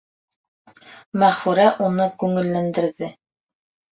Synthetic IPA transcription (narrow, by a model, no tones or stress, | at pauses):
mæʁfʉɾæʔunɤkʉŋɘ̆lːænd̪ɘ̆ɾðɘ